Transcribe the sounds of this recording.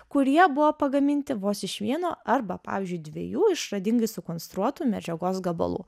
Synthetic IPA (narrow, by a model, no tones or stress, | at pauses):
kʊɾʲiɛbʊʋoːpɐɡɐmʲɪnʲt̪ʲɪʋoːsɪʃʋʲiɛnoːɐɾbɐpɑ̰ːʋʲɪːzʲd͡ʒʲʊɪd̪ʲʋʲḛjuːɪʃɾɐd̪ʲɪŋɡɐɪsʊkoːnst̪ɾuɔt̪uːmʲɛd͡ʒʲɛɡoːsɡɐbɐ̰lˠṵː